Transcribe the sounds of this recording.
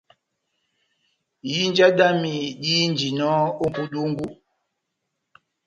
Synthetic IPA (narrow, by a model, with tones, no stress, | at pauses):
ji˦n˦d͡ʒa˦da˦mi˨di˦n˨d͡ʒi˨nɔ˦o˦m˨pu˦du˦ŋ˦ɡu˦